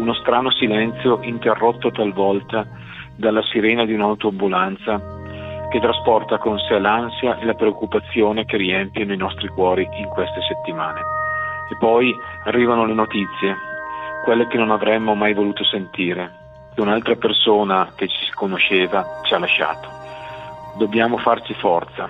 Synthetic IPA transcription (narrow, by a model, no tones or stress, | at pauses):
unost̪ɾaːnosilɛnt̪sjoʔint̪erːot̪ːot̪alvɔlt̪a | d̪alːasiɾɛːnad̪iunawt̪oambulant̪sa | ket̪ːɾaspɔrt̪akonsɛlansjaʔelapɾeokːupat̪sːjoːnekeriɛmpjanoinɔst̪ɾikwɔːɾiiŋkwest̪eset̪ːimaːneepːɔjarːiːvanolenot̪it̪sːjekwelːek̟enonavɾɛmːomajvoluːt̪osent̪iːɾe | keunalt̪ɾapersoːnak̟et͡ʃi̥skonoʃeːvat͡ʃialːaʃa̰ːt̪o̥ | d̪objaːmofart͡ʃifɔrt̪sa